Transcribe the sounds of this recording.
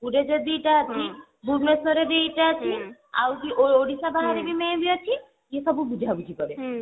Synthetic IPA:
puɖed͡ʒɔd̪iʈat͡ʃʰi | bʱuɾmesoɾed̪ejʈat͡ʃʰi | a̰wkiʔooɽisabaɦaɾebimẽbiɔt͡ʃʰi | jesɔbubud͡ʒʱabud͡ʒʱikɔɾe

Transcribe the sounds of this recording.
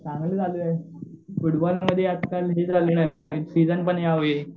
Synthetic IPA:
t͡sãŋɡləːd͡zaluaɦefuʈbɔlməd̪ʱːjeat̪kalɦed͡zaluna | sid͡zənpəɳjaʋoe

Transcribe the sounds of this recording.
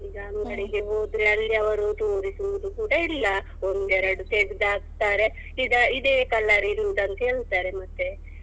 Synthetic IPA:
iɡɐɐŋɡɐɭiɡe̞ɦoːd̪ɾeɐlːiɐʋɐɾut̪oːɾisuʋud̪ukuːɽɐilːɐ | ond̪ɛɾɐɽut̪eɡd̪aːɡ̚t̪aːɾe̞ | id̪ɐid̪eːkɐlːɐɾiɾuud̪ɐnt̪ɐɦe̞ːɭt̪aːɾemɐt̪ːe

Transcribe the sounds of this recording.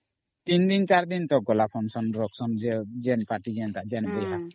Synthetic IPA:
t̪ind̪int͡ʃaɾd̪int̪ɔɡɔlapʰɔnsɔnɾɔksɔnd͡ʒɛd͡ʒɛnpaʈiɡjant̪aʔd͡ʒɛnbɛjɦa

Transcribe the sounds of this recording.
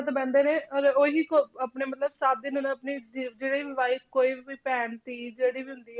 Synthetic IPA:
t̪abɛ̃ːnd̪eːneːəɡeoːɦiːkoəpneːmət̪ləbsaːb̚d̪ɪnʊñəpniːd͡ʒeːɽiːʋɪʋaːit̪koːiːiːpɛːɳt̪iːd͡ʒeːɽiːbiːɦʊ̃nd̪iːɛ

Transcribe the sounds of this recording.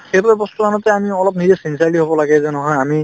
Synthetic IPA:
xejbaɛbɔstukanɔtɛamiɔlɔp̚nizɛsinsiaɹliɦobɔlaɡɛzɔnɔɦɔjami

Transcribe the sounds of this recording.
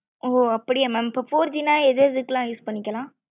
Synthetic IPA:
oːɐpːɐɽɪjamɛmpɐfoːɾd͡ʒinaːɛðɯɾðɯkːlãːjuːspɐɳːɪkːɐlãː

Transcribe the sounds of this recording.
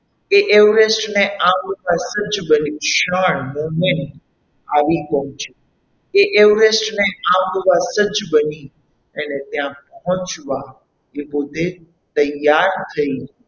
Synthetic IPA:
eʔeʋɾesʈneʔãmɡʋasəd͡ʒbənuʃəɳmomeɳʈ | aʋipəɦɔ̃t͡ʃe | eʔeʋɾesʈneãmɡʋasəd͡ʒbəni | ənet̪jãpəɦɔ̃t͡ʃʋa | epod̪ʱe | t̪əjaɾt̪ʰəi

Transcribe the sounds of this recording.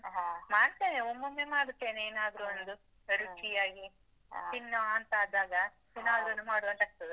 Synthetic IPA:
ɦmaːɽt̪eːneomːɐmːemaːɽut̪ːe̞ːneeːnaːd̪ɾuond̪u | ɐɾut͡ʃijaːɡi | t̪inːoɐnt̪ɐaːd̪aːɡɐt̪inːaːd̪ɐnːumaːɽuʋɐnt̪ɐk̚t̪ɐd̪u

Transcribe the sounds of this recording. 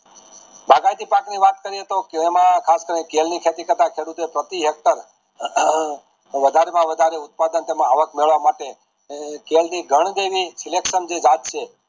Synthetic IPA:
bʱaɡajt̪ipakniʋat̪kəɾiet̪okːmãkʰaskəɾinekelnikʰet̪ikəɾt̪akʰeɽut̪oepɾət̪iɦek̚t̪əɾ | ʋəd̪ʱaɾemãʋəd̪ʱaɾeʊt̪̚pad̪ənt̪emãaʋəkmeɭʋamaʈe | kelniɡʱəɳ̃d̪eʋisilekʃənd͡ʒed͡ʒat̪̚t͡ʃʰe

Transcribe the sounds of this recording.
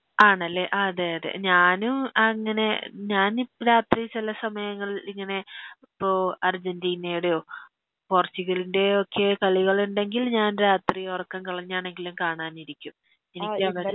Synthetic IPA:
aːɳɐlːe̞ʔɐðeɐðḛɲaːnumɐŋːɐne̞ɲaːniɾaːt̪rit͡ɕilɐsɐmɐjɐŋːɐɭiŋːɐne̞ipːoɐrd͡ʑɐndiːnejuɽejoː | poːrt͡ɕːuɣɐlinde̞okʰːe̞kɐɭiɣɐɭuɳɖe̞ŋɡilɲaːnɾaːt̪riorɐkːɐnkɐɭɐɲːaːɳe̞ŋɡilumkaːɳaːniɾikʲːum | enikʲːɨɐʋɐ

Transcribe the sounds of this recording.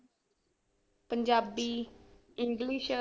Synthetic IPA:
pəɲd͡ʒabi | iŋɡliʃ

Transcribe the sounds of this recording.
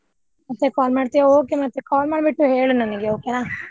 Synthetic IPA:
mɐt̪ːekaːlmaːɖt̪ijeoːkemɐt̪ːekaːlmaːɖbiʈːuɦeːɭunɐnɐɡeoːkenaː

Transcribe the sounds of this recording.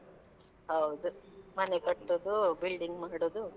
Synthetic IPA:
ɦɐwd̪umɐnekɐʈːod̪ubilɖiŋɡmaːiɽoːd̪u

